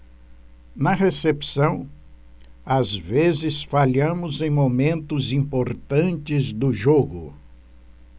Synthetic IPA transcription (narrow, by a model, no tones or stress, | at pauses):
nɐɦesepsɐ̃w̃ | azvezɪsfaʎɐ̃mʊzẽj̃momẽnt̪ʊzĩmpoɾt̪ɐ̃nt͡ʃɪzd̪ʊʒoɡʊ